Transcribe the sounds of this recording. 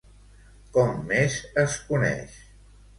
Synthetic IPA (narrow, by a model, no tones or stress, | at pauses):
kɔmːeʃəskunɛ̰ʃ